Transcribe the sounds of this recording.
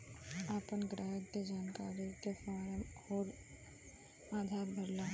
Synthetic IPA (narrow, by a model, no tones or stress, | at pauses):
apənɡɾaːɦəkked͡ʒaːnkaːɾikefaːɾəmhoːɾ | aːd̪ʱaːɾbʱəɾlaː